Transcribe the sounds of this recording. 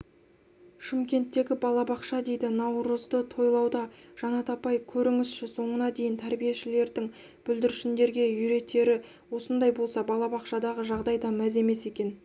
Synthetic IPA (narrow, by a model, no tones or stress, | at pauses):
ʃɪmkʲe̞nt̪ːe̞ɡʲɪbɑlˠɑbɑqʃɑd̪e̞jd̪ɪnɑwɾəzd̪ət̪ʰo̞jlˠɑwd̪ɑʒ̥ɑnɑt̪ɑpɑjkʲʰɵɾɪŋɪsʃɪso̞ɴənɑd̪e̞jɪnt̪ʰæɾbijeʃɪle̞ɾd̪ɪŋ | b̥ʏld̪ɪɾɪʃɪnd̪e̞ɾɡʲe̞jʏɾe̞t̪ʰːe̞ɾɪ | wo̞sənd̪ɑjbo̞lˠsɑbɑlˠɑbɑqʃɑd̪ɑʁəʒɑʁd̪ɑjd̪ɑmæze̞me̞se̞kʲe̞n